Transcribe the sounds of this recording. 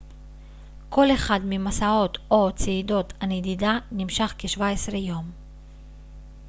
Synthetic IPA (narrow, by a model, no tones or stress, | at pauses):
ko̞leχad̪mimasao̞t̪ʔot͡seido̞t̪aned̪id̪animʃaχkeʃvaesʁejom